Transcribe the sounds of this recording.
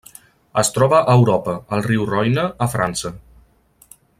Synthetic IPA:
əst̪ɾɔβəʔːwɾɔpəəlˠriwrɔjnəːfɾansə

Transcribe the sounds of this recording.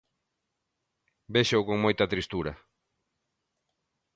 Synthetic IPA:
beʃowkoŋmojt̪ɐt̪ɾist̪uɾɐ

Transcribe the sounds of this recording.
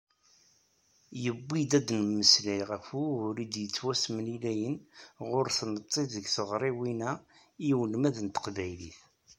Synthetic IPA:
jəbːid̪æd̪nməsliʁəfuʊɾid̪jət͡sːwæsmnilæjənʁʊɾθnət̪ˤːeðəɡθəʁɾˤiwinæ | iwəlmæðənt̪ə̥qvæjlḭθ

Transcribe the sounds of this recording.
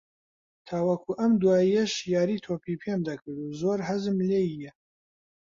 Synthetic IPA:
t̪ʰaːwɐkʰuʔɐmd̪uwaːijɐʃjaːɾiːt̪ʰoːpʰipʰemd̪ɐkʰɨɾd̪uzoːɾɦɐzɨmlejijɛ

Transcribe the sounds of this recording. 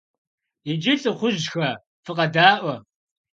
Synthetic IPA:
ɪd͡ʒɪt͡sʼɨχʷʊʒxɐ | fɨqɐdaːʔʷɐ

